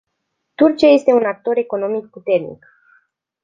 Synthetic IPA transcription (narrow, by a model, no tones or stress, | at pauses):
t̪urt͡ʃiaje̞st̪e̞unak̚t̪o̞ɾe̞ko̞no̞mik̚put̪e̞rnḭk